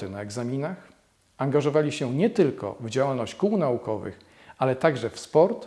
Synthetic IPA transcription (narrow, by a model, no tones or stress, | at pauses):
ɘnaɛɡzamʲinax | aŋɡaʐɔvalʲiɕɛɲɛt̪ɘlkɔ̰vd͡ʑawalnɔɕt͡ɕkuwnaukɔvɘ̰x | alɛt̪aɡʐɛfspɔɾt̪